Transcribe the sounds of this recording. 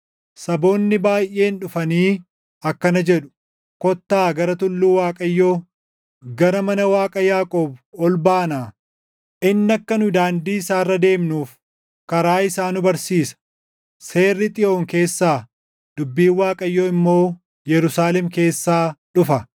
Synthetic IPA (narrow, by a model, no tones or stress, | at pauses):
sɐbo̞ːnːɪbaːjʔːe̞ːnᶑʊfɐniː | ɐkːɐnɐd͡ʒɛᶑʊ̥ | kɔt̪ːaːɡɐɾɐt̪ʊlːuːwaːkʼɐjːo̞ː | ɡɐɾɐmɐnɐwaːkʼɐjaːkʼoːbɔlbaːnaː | ʔɪnːɐkːɐnʊd̪aːnd̪iːsaːrːɐd̪e̞ːmnuːf | kɐɾaːɪsaːnʊbɐɾsiːsɐ̥ | se̞ːrːɪt̪ʼɪʔo̞ːŋke̞ːsːaː | d̪̥ʊbːiːnwaːkʼɐjːoːɪmːo̞ː | jɛɾʊsaːlɛmke̞ːsːaːᶑʊfɐ